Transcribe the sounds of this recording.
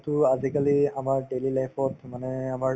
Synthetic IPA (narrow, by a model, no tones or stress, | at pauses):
tʊazikaliamaɹɖelilajpʰɔtʰmanɛamaɹ